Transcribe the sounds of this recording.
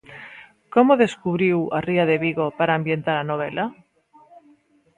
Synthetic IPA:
komoðeskuβ̞ɾiwariaðeβiɣopaɾaːmbjent̪aɾanoβ̞elʔa

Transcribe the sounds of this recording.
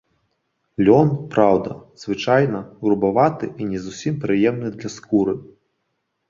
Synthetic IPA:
lʲɔnpɾawd̪ɐz̥vɨt͡ʂajnɐɣɾubavat̪ɨʔinʲɛzusʲimpɾɨjɛmnɨd̪lʲɐskuɾɨ

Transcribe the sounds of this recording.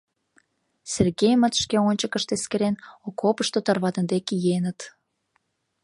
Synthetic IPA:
serɣejmət̪ʃkeonʲt͡ɕəkəʃt̪eskeɾenokopəʃt̪ot̪ɑrβɑd̪ə̆nd̪ekijenət̪

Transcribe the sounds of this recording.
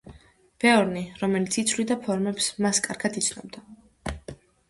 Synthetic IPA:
b̥ɛɔɾniɾɔmɛlit̪sʰit̪sʰwlid̪apʰɔɾmɛpsmaskʼaɾɡad̪it̪sʰnɔ̰b̚d̪a

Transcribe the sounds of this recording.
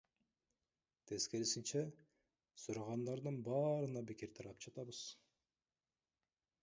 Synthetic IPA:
t̪ʰe̞zke̞lsint͡ʃæ | suɾɑʁɑnd̪ɑɾd̪ɯnbɑːɾɯnɑbikiɾt̪ʰɑɾɑpd͡ʒɑt̪ɑβɯz̥

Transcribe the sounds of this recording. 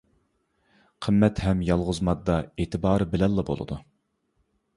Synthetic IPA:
qʰəmːɛt̪hɛmjɑlˠʁʊzmɑd̪ːɑeːt̪ʰɨbɑːɾɨbɪlɛlˠːɑbo̰lˠɨ̰d̪u

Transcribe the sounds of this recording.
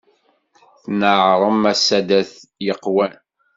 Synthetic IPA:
θnəʕɾˤəmæsæd̪æθjəqːwæn

